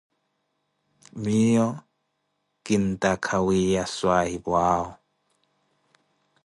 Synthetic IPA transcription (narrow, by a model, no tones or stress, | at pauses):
miːɔ | kʼin̩tʼakʰawijaswaibwaːɔ